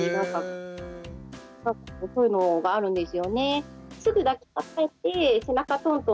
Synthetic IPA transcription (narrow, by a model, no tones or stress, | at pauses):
nãŋka | kakɯsoːjɯ̟no̞ɡaːɾɯ̟̃nd̪e̞sɨjo̞ne̞sɨɡɯ̟d̪ake̥tat̪aet̪ːe̞se̞nakat̪õ̞nt̪o